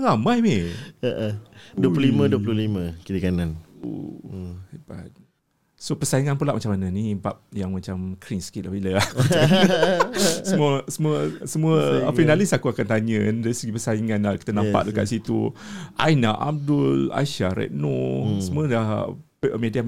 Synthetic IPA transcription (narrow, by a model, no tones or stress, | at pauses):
ɾamajmeəʔəduəplulimə̃duəplulimə̃kidikananṵ | ba̰t̪̚ | sopəsaiŋanpulaʔmat͡ʃamananibap̚jaŋmãt͡ʃamkʰɾinskit̪̚lahbiləa | səmuəsəmuəsəmuəfinalisakuakant̪aɲədaɾisəɡipəsaiŋanaki̥t̪ənampa̰ʔ̚dəka̰ʔsit̪ṵʔa̰jnaʔa̰m̚dula̰ʃaɾɛ̰ʔ̚nosəmũəlapʔəmedia